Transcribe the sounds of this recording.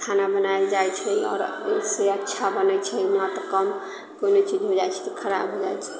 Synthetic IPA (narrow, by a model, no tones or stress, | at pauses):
kʰanabənajd͡ʒajt͡ʃʰɛɔ̰ːɾ | seətːʃʰabənɛt͡ʃʰɛmɔt̪ɾkəm | konot͡ʃid͡ʒɦod͡ʒajt͡ʃʰɛ̥t̪ɔkʰəɾa̰bɦod͡ʒajt͡ʃʰɛ̥